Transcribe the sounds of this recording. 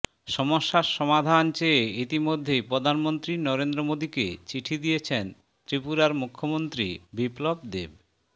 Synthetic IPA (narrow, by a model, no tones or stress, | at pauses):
ʃɔmoʃːaɾʃɔmad̪ʱant͡ɕeeit̪imod̪ʱːejpɾod̪ʱanmont̪ɾinɔɾend̪ɾomod̪iket͡ɕiʈʰid̪ijet͡ɕʰen | t̪ɾipuɾaɾmukʰːomont̪ɾḭbiplobd̪ḛb